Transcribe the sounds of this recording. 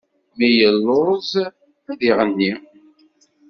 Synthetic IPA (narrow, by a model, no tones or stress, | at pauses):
mijəlːoz | æðiʁənːi